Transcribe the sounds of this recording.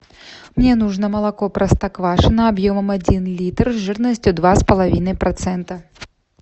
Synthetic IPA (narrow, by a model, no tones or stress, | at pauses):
mnʲɛnuʐnɐmɐlˠakɔpɾɐst̪ɐkvaʂɨnɐːbjɔmɐmad͡zʲinlʲit̪rzʐɨrnɐsʲt͡sʲud̪vaspɐlˠavʲinɐjpɾat̪sɛnt̪ɐ